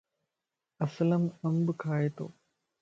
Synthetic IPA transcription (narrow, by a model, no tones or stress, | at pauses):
ɐsɐlɐmɐmbɨkʰaːjɐt̪o̰ː